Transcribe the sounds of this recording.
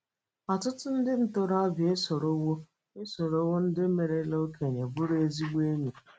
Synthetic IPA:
a˨tʊ˦tʊ˦n̩˦dɪ˦n̩˦to˦ɾa˦bje˦sɔ˨ɾo˦wo˦ | e˦so˨ɾo˦wʊ˦n̩˦dɪ˦me˨ɾe˦lo˦kʰe˨ɲe˨bʊ˦ɾe˦zi˦ɡ͡be˦ɲe˨

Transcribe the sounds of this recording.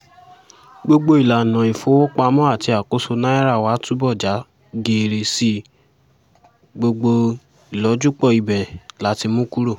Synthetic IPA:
ɡ͡bo˧ɡ͡bo˧˦i˨la˨nã˨i˨fo˨˦wo˦k͡pa˧mɔ̃˦a˦˨ti˧a˨ko˦so˧nã˦ɛ˦ɾa˦˨wa˨˦tu˦bɔ˦˨d͡ʒa˨˦ | ɡe˨ɾe˧si˧ | ɡ͡bo˧ɡ͡bo˧ | i˨lɔ˨˦d͡ʒu˦k͡pɔ˦˨i˨bɛ˨la˨˦ti˧mũ˦ku˦ɾo˦˨

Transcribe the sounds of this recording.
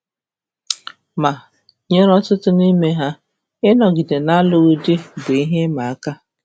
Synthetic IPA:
ma˨ | ɲe˦ɾɔ˦tʊ˦tʊ˦ni˦me˦ɦa˦ | ɪ˦nɔ˨ɡi˨de˨na˦lʊ˦ɣʊ˦dɪ˦bʊ˨i˦ɦe˦ma˨a˦ka˦

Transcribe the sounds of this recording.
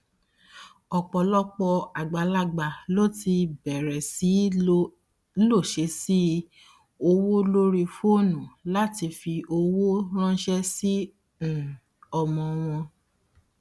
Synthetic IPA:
ɔ˨k͡pɔ˨lɔ˦k͡pɔ˧a˨ɡ͡ba˨la˦ɡ͡ba˨lo˦ti˧bɛ˨ɾɛ˨si˨˦ | lo˦˨ʃe˨˧˦si˦ | o˧wo˦lo˦ɾi˧fo˦˨nũ˨la˦ti˧fi˧ʔo˧wo˦ɾ̃ã˦ʃɛ˦sĩ˦˨ | ɔ˧mɔ̃˨˧w̃ɔ̃˧

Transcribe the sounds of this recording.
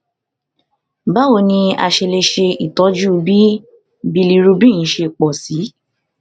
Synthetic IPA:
ba˦wo˦˧˨nĩ˧a̰˧ʃe˧le˧ʃe˧i˨tɔ˨˦d͡ʒu˦˨˦bi˦ | bi˧li˧ɾu˧bĩ˦˨ĩ˨˦ʃe˧k͡pɔ˨si˨˦

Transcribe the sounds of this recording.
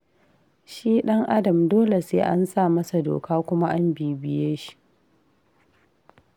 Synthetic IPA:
ʃiː˦ɗɐ˦ŋʔa˦dɐ˨mdoː˦le˨seː˦ʔa˦nsaː˦˨mɐ˦sa˨do̰ː˨kaː˦kʷʊ˦ma˦ʔa˦mbiː˨bɪ˨jeː˦ʃi̥˨ʔ

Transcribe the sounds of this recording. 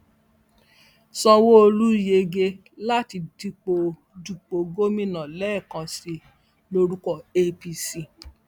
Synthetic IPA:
sɔ˧wo˦o˧lu˦je˧ɡe˧ | la˦ti˧di˧k͡po˧ | du˧k͡po˧ɡo˦mĩ˦nã˨lɛ˦˨kã˧si˧ | lo˧ɾu˦kɔ˦˨e˧pi˧si˧

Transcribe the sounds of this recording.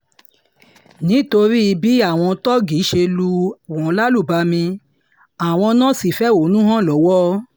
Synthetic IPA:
nĩ˦to˧ɾi˦i˧bi˦a˦˨w̃ɔ̃˧tɔ˦ɡi˨˦ʃe˧lu˧wɔ̃˨˧˦la˦lu˦˨ba˧mĩ˧ | a˨w̃ɔ̃˧nã˦˨si˨fɛ˦o˨˦nũ˦ɦã˦˨lɔ˨˦wɔ˦

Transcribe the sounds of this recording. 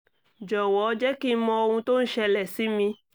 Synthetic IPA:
d͡ʒɔ˨wɔ˨˦d͡ʒɛ˦ki˦mɔ̃˧o˧hũ˧to˦n̩˦ʃɛ˧lɛ˨si˨˦mĩ˧

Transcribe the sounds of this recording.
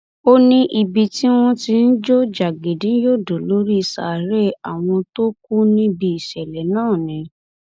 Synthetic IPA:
o˦nĩ˦ʔi˧bi˧ti˦w̃ɔ̃˦ti˧n̩˦d͡ʒo˦d͡ʒa˨ɡe˨dĩ˨˦jo˦˨do˨lo˨˦ɾi˦˧˨sa˨ɾe˦a˨w̃ɔ̃˧to˦k̚u˦nĩ˦bi˧i˨ʃɛ˨lɛ˨˦nãː˦˨nĩ˨˦

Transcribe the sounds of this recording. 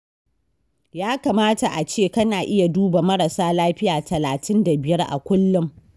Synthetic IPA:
jaː˦ka˨maː˦ta˨ʔa˨t͡ʃeː˦˨kɐ˦naː˨ʔɪ˦ja˨duː˦ba˨mɐ˦ɽɐ˨saː˦laː˦ɸɪ˦jaː˨tʰɐ˨laː˨tʰɪ˦nda˨bɪ˨jɐ˦rʔa̰˨kʷʊ˦lːʊ˦m

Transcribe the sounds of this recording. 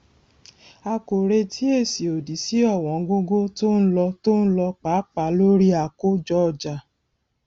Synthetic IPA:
a˧ko˨ɾe˧tʰi˦e˦˨si˨o˨di˨˦si˦ɔ˦˨w̃ɔ̃˨˦ɡo˦ɡo˦to˦n̩˦lɔ˧to˦n̩˦lɔ˧k͡pa˨˦k͡pa˨˦lo˦ɾi˦a˨ko˦d͡ʒɔ˦˨d͡ʒa˨

